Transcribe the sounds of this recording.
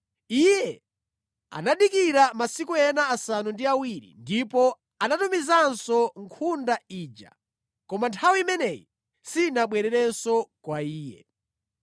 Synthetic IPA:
ijɛ | a̰naɗikiɾamasikuɛnaːsanundiawiɾḭndipɔ | anatumizansɔŋkʰundaiːd͡ʒa̰ | kɔmantʰawiimɛnɛji | sinaɓwɛɾɛɾɛnsɔkwaiːjɛ̰

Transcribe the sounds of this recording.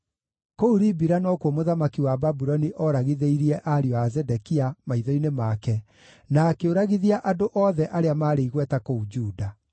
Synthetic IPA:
kouɾibiɾanɔkwɔmoðamakiwababuɾɔniʔɔɾaɣiðeiɾiɛʔaɾiɔazɛdɛkiamaiðɔinemakɛ | naːkeoɾaɣiðiaʔadoʔɔːðɛʔaɾeamaːɾeiɣwɛtakoud͡ʒuːda

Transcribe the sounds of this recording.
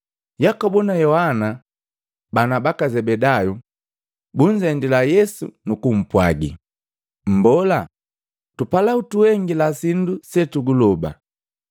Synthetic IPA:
jakɔbunajɔhana | banabakazɛbɛdaju | buɲ̩d͡ʒɛndilajɛsṵnukum̩pwaɡḭ | m̩bɔla | tupalautuɛŋɡilasindusɛtuɡulɔba̰

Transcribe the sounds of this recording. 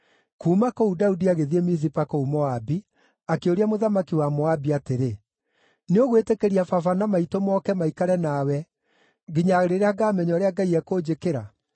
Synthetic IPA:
kuːmakoudaudiaɣeðiemizipakoumɔabi | akeoɾiamoðamakiwamɔabiateɾe | neoɣwetekeɾiafafanamaitomɔkɛmaikaɾɛnaːwɛ | ɡiɲaɣeɾeɾeaɡaːmɛɲɔɾeaɡaiɛkoːd͡ʑekeɾa

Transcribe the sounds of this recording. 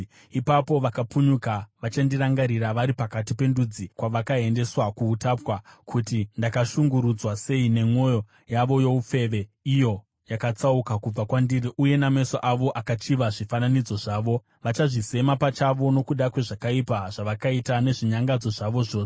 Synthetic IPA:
ipapo̞ʋakapuɲukaʋat͡ʃandiraŋɡaɾiraʋaɾipakatipe̞ndud͡zikwaʋakae̞nde̞swakuːtapwakʰutindakaʃuŋɡuɾud͡zwase̞ine̞mwo̞jo̞ | jaʋo̞jo̞up͡fe̞ːʋe̞ijo̞ | jakat͡saukakub͡vakwandiriʔuje̞name̞soʔaʋo̞ʔakat͡ʃiʋaʐifananid͡zo̞ʐaːʋo̞ | ʋat͡ʃaʐise̞mapat͡ʃaʋo̞no̞kuɗakwe̞ʐakaipaʐ̥aʋakaitane̞ʐiɲaŋɡad͡zo̞ʐaʋo̞ʐo̞ː

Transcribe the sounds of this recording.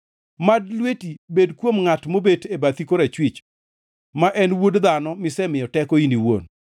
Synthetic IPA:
madlwetibedkwomŋatmobetebat̪ikoɾat͡ʃwit͡ʃ | maʔɛnwodd̪anɔmɪsɛmɪjɔtɛkoiniwo̰n

